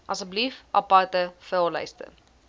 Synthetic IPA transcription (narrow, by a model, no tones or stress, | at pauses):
ʔɐsək̚blifʔɐpɐrtəfəlˠlə̰jstə̰